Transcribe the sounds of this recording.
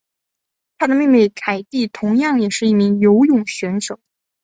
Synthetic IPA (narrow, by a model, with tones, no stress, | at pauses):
t̪ʰa˥d̪ə˨mi˥˧me˥˩ɪkʰa˨˩ɪt̪i˥˩t̪ʰʊ˧˥ŋjɑ˥˩ŋjɛ˨˩ʂɻ̩˥˧i˥˩mi˧˥ŋjo˧˥ʊjʊ˨˩ŋɕɥɛ˧˥nʈ͡ʂɤ˨˩˦